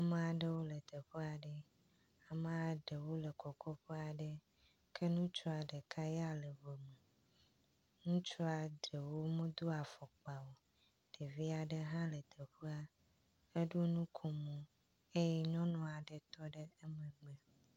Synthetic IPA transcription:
a˨mẽ˨a˨ɖə˦wo˦lə˨t̪ə˨ɸe˦a˨ɖə˨ | a˨mẽ˨a˨ɖə˨wo˦lə˨kɔ˨kʰɔ˦ɸe˦a˨ɖə˦ | kʰe˦nũ˦t͡ʃɔ˦a˨ɖə˨kʰa˦ja˦lə˨vo˨mə˨ | nũ˦t͡ʃɔ˦a˨ɖə˨wo˦mẽ˦d̪o˦a˨fɔ˨k͡pa˨wo˨ | ɖ̥e˨vi˦a˨ɖə˦ɦã˦lə˨t̪ʰə˨ɸe˦a˦ | e˦ɖo˦nũ˦kʰo˨mõ˦ | e˦jɛ˦ɲɔ̃˦nɔ̃˨a˨ɖə˨t̪ɔ˦ɖə˦e˦mə̃˨ɡ͡be˨

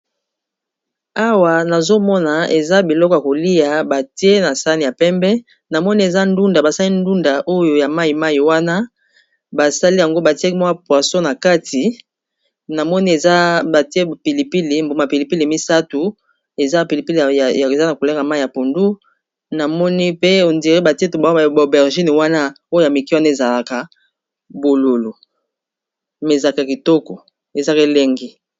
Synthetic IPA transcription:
a˦wa˨na˨zo˦mɔ˦na˨e˨za˦bi˨lɔ˦kɔ˨ja˨ko˨li˦ja˨ba˨ti˦e˦na˨sa˦ni˨ja˨pɛ˦mbɛ˦ | na˨mɔ˦ni˦e˨za˦ndu˦nda˨ba˨sa˦li˦ndu˦nda˨ʔo˦jo˨ja˨ma˦i˨ma˦i˨wa˦na˦ | ba˨sa˦li˦ja˨ŋɡo˦ba˨ti˦e˦km˦a˦pwa˨sɔ̃˦na˨ka˦ti˨ | na˨mɔ˦ni˦e˨za˦ba˨te˦˨pi˨li˨pi˦le˨mbo˨ma˨pi˨li˨pi˦le˨mi˦sa˦tu˨ | e˨za˦˨pi˨li˨pi˦le˨e˨za˦na˨ko˨le˦ka˨ma˦˨a˨po˨ndu˦ | na˨mɔ˦ni˦pe˦o˨ndi˨ʁe˦ba˨ti˦e˦tu˨ba˨˦bo˨bɛ˨ʁʒi˦n˨wa˦na˦ | o˦o˦ja˨mi˨ki˦wa˦na˦e˨za˨la˨ka˨ | bo˨lo˨lo˨ | mɛ˨za˨ka˨ki˨tɔ˦kɔ˨ | e˨za˦ke˦le˦ŋɡi˦

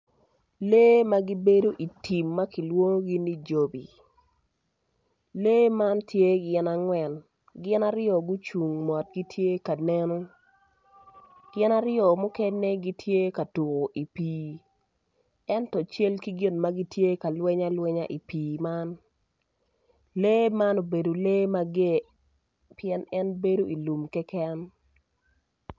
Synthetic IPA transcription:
leː˦ma˦ɡi˦be˦do˦ʔi˨tʰi˨mːa˦ki˨lwo˦ŋo˦ɡɪ˦ni˦d͡ʒo˨bi˨ | le˦ma˦ntje˦ɡɪ˦na˦ŋwɛ˨n | ɡɪ˦na˦ɾɪjɔ˨ɡʊ˦t͡ʃu˨ŋmɔ˨t̚ɡi˦tʰje˦ka˨nɛ˦nɔ˦ | ɡ̥ɪ˦na˦ɾɪjɔ˨mʊ˦kɛ˦nːe˦ɡi˦tje˦ka˨tu˨ɣo˨ʔi˨piː˨ | ɛ˦ntɔ˨t͡ʃe˦lki˦ɡɪ˦nma˦ɡi˦tje˦ka˨lwɛ˦ɲa˦lwɛ˦ɲa˦ʔi˨piː˨ma˦n | le˦ma˦no˨be˨do˨le˦ma˦ɡe˦ | pjɛ˦nɛ˦nbe˦do˦i˨lu˨mkɛ˦kɛ˦n

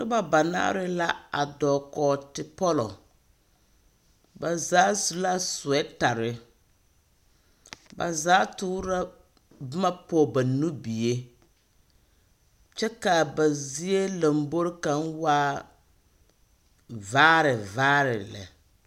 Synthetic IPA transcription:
dʊ˦ba˨ba˨na̰˦ʔɾɪ˦la˦a̰˨dɔː˨kɔː˨tɪ˨pɔ˦lɔ̰˨ | ba˨zaː˨˦su˨la˦sʊ˨ɛ˦ta˨ɾɪ˨ | ba̰˨zaː˦tʊː˦ɾa˦ | bɪ˦ma˦pɔː˨ba˨nu˦bi˨je˦ | t͡ʃɛ˦ka˨ba˨zi˦e˦la˨mbo˦ɾɪ˦ka˨nwaː˦ | vaː˦ɾɪ˨vaː˦ɾɪ˨lɛ̰˨

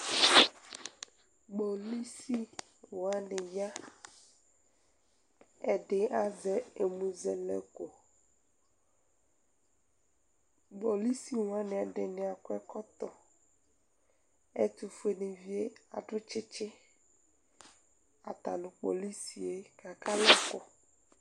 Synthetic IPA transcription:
ɡ͡bo˨li˦si˦ | wo˨a˦nɪ˨ja˦ | ɛ˨ɖɪ˨a˦zɛ˦e˨mũ˨zɛ˨lɛ̰˦ko˨ | ɡ͡bo˨li˦si˦wo˨a˦nɪ̃˨a˨ɖɪ˨nɪ̃˨a˨kʊ˦ɛ˦kɔ˦t̪ɔ˨ | e˦t̪u˨fu˦e˨nẽ˨vi˦e˦a̰˨ɖʊ˦t͡ʃɪ˦t͡ʃɪ˦ | a˨t̪a˨nʊ̃˨k͡po̰˨li˦si˨e˦ka˨ka˦lɛ˦kɔ˨

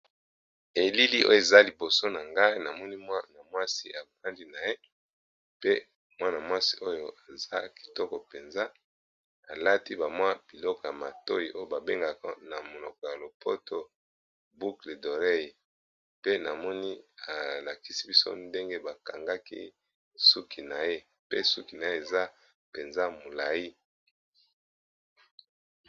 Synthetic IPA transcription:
e˨li˦li˦ʔo̰˦jo˨e˨za˦li˨bo˨so˦na˨ŋɡa˦i˦na˨mɔ˦ni˦mwa˦na˨mwa˦si˦a˨ba˦ndi˦na˨je˦ | pe˦ | mwa˦na˨mwa˦si˦ʔo˦jo˨ʔa˨za˦ki̥˨tɔ˦kɔ˨pe˨nza˦ | a˨la˦ti˦ba˨mwa˦b̥i˨lɔ˦kɔ˨ja˨ma˨to˦ji˨ʔo˦jo˦ba˨be˦ŋɡa˨kɔ̰˦na˨mo˨lɔ˨kɔ˨ja˨lo˨pʰo˦tʰo˦ | bu˦kle˨do˨ʁe˦˨ | pe˦na˨mɔ˦ni˦a˨la˨ki˦si˦bi˦so̰˦nde˦ŋɡe˦ba˨ka˨ŋɡa˦kḭ˦ | su˦kʰi˨na˨je˦ | pe˦su˦ki˨na˨je˦e˨za˦ | pe˨nza˦mo˨la˨ji˦

